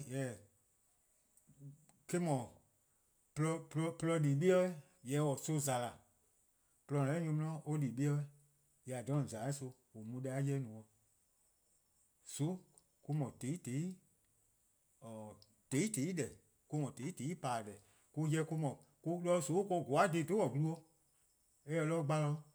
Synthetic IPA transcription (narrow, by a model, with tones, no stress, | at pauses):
jɛ˨˦˨ | ke˦mɔ̃˨ | plɔ˧plɔ˧plɔ˧liː˨ɓi˦ɔ˦i˦ | jɛ˨˦wɔ˨so˧za˨la˨ | plɔ̃˧˨ɛ˦ɲũ˧mĩ˧˦ɔ̃˦ʔo˦liː˨ɓi˦ɔ˧˦e˦ | jɛ˧a˨dɔ̃˨˦˨zaː˨i˦so˧ | o˨mũ˧˦ɗa˦jɛ˧˦nũ˨ɔ˧ | so˨˦ | ku˧mɔ̃˨te˨˦i˦te˨˦i˦ | ɔ˨ | te˨˦te˨˦i˦dɛ˨ | ku˧mɔ̃˨te˨˦te˨˦i˦paː˨dɛ˨ | ku˧jɛ˧˦ku˧mɔ̃˨ | ku˧lɔ˧˦˨so˨˦kɔ˧˨ɡo˨a˦de˨˦˨to˦wɔ˨ɡu˧lu˦ɔ˧ | ɛ˦ɛ˧lɔ˦ɡ͡ba˧lɔ˧˦